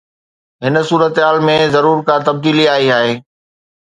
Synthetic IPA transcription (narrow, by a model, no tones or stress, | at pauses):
ɦɪn̆suːɾət̪ɦaːlmẽzɐɾuːɾkat̪ɐb̚d̪iːliaːɦiaːɦeː